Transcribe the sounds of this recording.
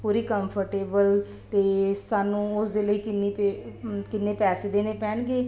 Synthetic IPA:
puːɾiːkəmpʰəɾʈeːbəl | t̪eːsaːnũːʊsd̪eːləiːkɪnːipekɪnːeːpɛːseːd̪eːneːpɛːnɡeː

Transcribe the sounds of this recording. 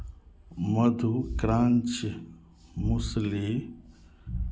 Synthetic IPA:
məd̪ʱukɾãːnt͡ʃ | musli

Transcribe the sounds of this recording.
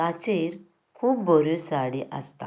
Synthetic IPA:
at͡ɕeɾ | kʰuːpbɔɾusaɽiʔə̰st̪a̰

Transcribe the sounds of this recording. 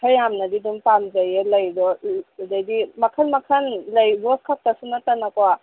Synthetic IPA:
kʰajamnɐdidumpamzajelɐjdɔdajdimɐkʰanmɐkʰanlɐjbɔskʰak̚tasunatanakwa

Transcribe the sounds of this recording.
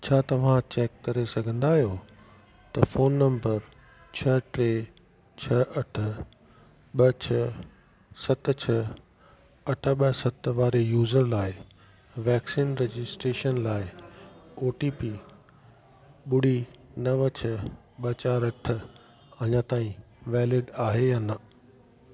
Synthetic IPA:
t͡ɕʰaːt̪ɐʋ̤ãt͡ɕeːkːɐɾesɐɡʱə̃nd̪aːɦijo | t̪ɐfoːnːɐ̃mbəɾ | t͡ɕʰɐʈɾeː | t͡ɕʰɐʔɐʈʰə̆ | ɓɐt͡ɕʰɐ | sɐt̪t͡ɕʰɐ | ɐʈʰə̆ɓəsɐt̪ʋaːɾejuːzəɾlaːɪ | ʋɛːksiːnɾed͡ʑɪsʈɾeːʃənlaːɪ | oːʈiːpiː | ɓʊɽinɐʋət͡ɕʰɐ | ɓɐt͡ɕaːɾɐʈ̆ʰ | ɐɲãt̪aːĩ | ʋɛːlɪɖaːɦeɐnɐ

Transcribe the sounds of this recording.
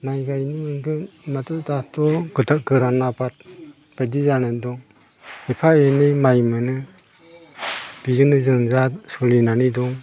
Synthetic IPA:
majɡajnimɯnɡɯn | matɯdatɔɡɯtaɡɯɾanabat̚ | b̥adizanɯndɔŋ | hepʰaenɯjmajmɯnɯ | b̥izɯnɯzɯŋzasulinanidɔŋ

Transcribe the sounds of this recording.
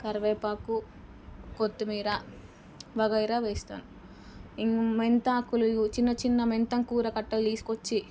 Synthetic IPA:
kɐɾʋeːpaːku | kot̪ːumiːɾɐ | bɐɡɐjɾaːʋeːst̪a̰ːnu | iŋment̪aːkːulut͡ʃinːɐt͡ʃinːɐment̪ɐŋkuːɾɐkɐʈːɐlt̪iːsu̥kot͡ʃːi

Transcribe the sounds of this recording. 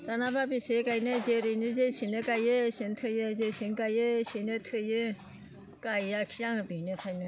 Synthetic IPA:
zanababisekajnɯzeɾɯnɯzesinɯkajɯsintʰɯjɯzesinkajɯsinɯtʰɯjɯ | kajakʰijaŋɯbinɯpʰajnɯ

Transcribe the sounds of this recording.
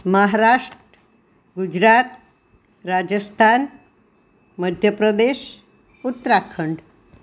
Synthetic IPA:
məɦaɾaʂʈ | ɡud͡ʑɾat̪ | ɾad͡ʑəst̪ʰan | məd̪ʱjəpɾəd̪eɕ | ut̪ːɾakʰəɳɖ

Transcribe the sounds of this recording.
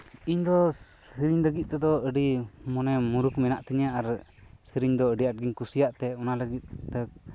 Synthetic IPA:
iɲd̪ɔsəɾiɲləɡit̪̚ˀt̪ɛd̪ɔəɖimɔnɛmuɾukmɛnaʔt̪iɲaaɾsəɾiɲd̪ɔəɖiaʈ̚ɡiɲkusijaʔt̪ɛɔnaləɡit̪̚t̪ɛ

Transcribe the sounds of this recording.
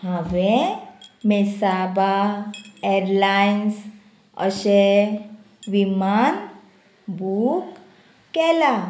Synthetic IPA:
həʋe | mesaba | eɾlajins | ə̰ɕe | ʋiman | bukː | ɛla

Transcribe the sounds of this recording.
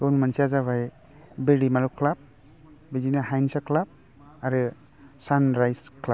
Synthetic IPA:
ɔnmansiazaβaj | beɾimalukʰlap̚ | bedinaɦajnsakʰlab̚ | aɾɯ | sanɾajskʰla

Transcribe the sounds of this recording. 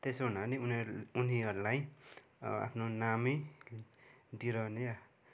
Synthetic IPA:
t̪esoɦunaniununiɦʌɾulaj | a̰pʰnonami | d̪iɾʌneja

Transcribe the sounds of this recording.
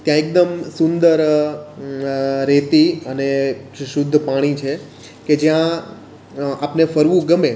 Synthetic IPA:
t̪jãek̚d̪əmsʊnd̪əɾ | ɾet̪iəneʃʊd̪ʱːpaɽ̃it͡ʃʰe | ked͡ʒjã | apnefəɾʋũɡəme

